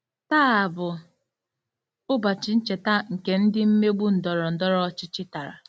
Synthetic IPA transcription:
ta˦a˨bʊ˨ | ʊ˦ba˨t͡ʃɪ˨n̩˦t͡ʃe˨ta˦ŋ̩˨ke˦n̩˦dɪ˦m̩˦me˦ɡ͡bu˦n̩˨dɔ˨ɾɔ˨n̩˨dɔ˦ɾɔ˦t͡ʃɪ˦t͡ʃɪ˦ta˨ɾa̰˨

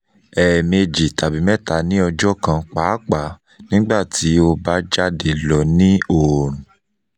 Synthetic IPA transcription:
ɛ˨me˧d͡ʒi˨ta˨bi˨˦mɛ˦ta˨nĩ˦ɔ˧d͡ʒɔ˦kã˧k͡paː˨˦k͡pa˨ | nĩ˦ɡ͡ba˦˨tʰi˨˦o˧ba˦d͡ʒa˦de˨lɔ˨nĩ˦o˦˨ɾũ˨

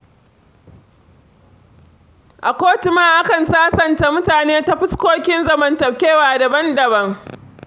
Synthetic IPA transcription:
ʔa˨kʷoː˦tʊ˨maː˦ʔa˦kɐ˨nsaː˦sɐ˨nta˨mʊ˦taː˨neː˦ta˦ɸɪ˦skʷoː˦kʲɪ˦nzɐ˦mɐ˨ntɐ˨pkʲeː˦waː˨dɐ˨bɐ˦ndɐ˨bɐ˦ŋ

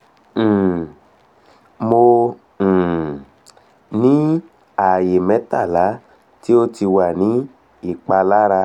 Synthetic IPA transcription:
mõ˧˨ | nĩ˦ | a˦˨je˨mɛ̃˨˦ta˦˨la˨˦ | ti˦o˦ti˧wa˨nĩ˨˦ | i˦˨k͡pa˧la˦ɾa˧

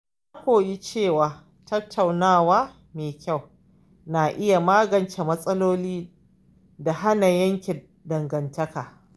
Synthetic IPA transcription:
a˦kʷoː˨ji˦t͡ʃeː˦˨waː˨ | tɐ˦tʰːa˨wnaː˦˨waː˦ | meː˨kʲa˦˨w | na˨ʔɪ˦ja˨maː˦ɡɐ˨nt͡ʃe˨mɐ˦sʼɐ˦loː˦liː˦ | da˨ɦa˦na˨jɐ˦ŋkʲɪ˨ | dɐ˨ŋɡɐ˨ntɐ˦kaː˨

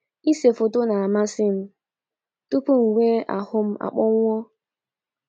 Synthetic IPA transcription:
i˦se˨fo˨tʊ˦na˨a˨ma˦sɪ˦m̩˦ | tu˦pu˦ŋ̩˨wʷe˦ʔa̰˨hʊ˦m̩˦ʔa̰˨k͡pɔ˦ŋʷ˦ɔ˦

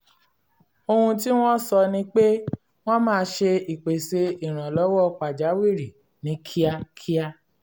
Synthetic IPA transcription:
o˧hũ˧t̬i˦w̃ɔ̃˦sɔ˧nĩ˧k͡pe˦ | w̃ɔ̃˦mãː˦˧ʃe˧i˨k͡pe˨se˧i˨ɾ̃ã˨lɔ˨˦wɔ˦k͡pa˨d͡ʒa˨˦wi˦˨ɾi˨ | nĩ˨˦kʰi˦a˧kʰi˦a˦˧

